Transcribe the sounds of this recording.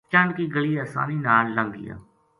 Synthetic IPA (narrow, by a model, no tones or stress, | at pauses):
t͡ʃãɳɖkiːɡəɭiːəsa̰ːniːnaːllə̃ŋɡḭja̰ː